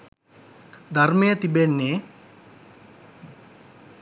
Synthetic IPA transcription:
d̪ʱɐɾmejɐt̪ibenːe

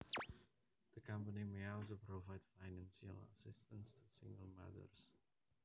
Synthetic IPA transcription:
ðəkʰʌ̃mpənimeɪɔlˠs̬opʰɹovaɪd̥faɪnæ̃nsə̰lə̰sɪstə̃nstʰəsɪ̰̃ŋɡəlˠma̰ðə̰˞z̥

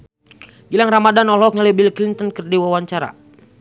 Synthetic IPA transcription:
ɡilaŋramadanɔlɔk̚ɲalibilklint̪ənkɨrdiwawaɲt͡ʃaɾa̰

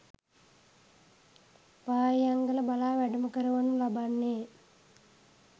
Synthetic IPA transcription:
ʋaːjjaŋɡələbalaːʋæɖuməkəɾuʋanulabanːeː

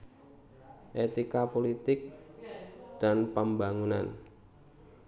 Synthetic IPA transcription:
ʔet̪ikapolit̪ɪk̚ | d̥anpəmbaŋuna̰n

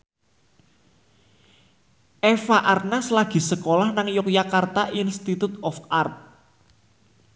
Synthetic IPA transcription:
ʔɛfaʔarnaslaɡ̥i̤səkolahnaŋjʊkjakart̪aʔinst̪it̪ut̪ɔfart̪̚

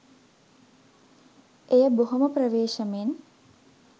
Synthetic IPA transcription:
ejəboɦoməprəʋeːʃəmen

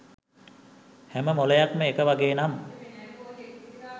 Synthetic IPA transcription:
hæməmoləjakməekəʋaɡeːnam

